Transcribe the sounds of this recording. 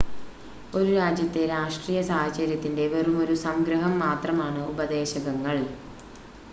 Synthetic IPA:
o̞ɾuɾaːd͡ʑjɐt̪ːe̞ɾaːʂʈriːjɐsaːhɐt͡ɕɐɾjɐt̪ːinde̞ʋɐrumo̞ɾusɐmɡɾɐɦɐmːaːt̪rɐmaːɳɨubɐd̪e̞ːɕɐɣɐŋːɐɭ

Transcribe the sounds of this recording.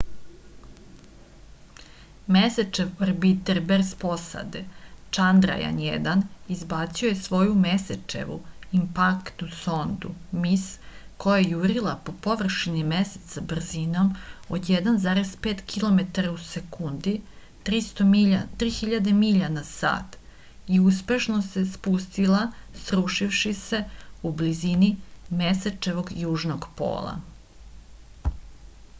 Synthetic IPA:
meset͡ʃeʋoɾbit̪eɾbezpo̞sa̰d̪et͡ʃand̪ɾa̰ja̰njḛd̪anizbaːt̪siojesʋo̞jumeset͡ʃḛʋṵimpakt̪nuso̞nd̪ṵmisko̞jajejuɾilˠapo̞poʋr̩ʃinimese̥t̪sabr̩zino̞mod̪jed̪anzaːɾe̞zpeːt̪kʰilˠo̞me̞t̪aɾausekund̪i | t̪ɾist̪ot̪ɾiːxiʎad̪e̞miʎanasa̰ːt̪ | iuspe̞ʃnose̞spust̪ilˠasɾuʃifʃise̞ublizinimeset͡ʃe̞ʋo̞ɡjuːʒnoɡpo̰ːlˠa̰

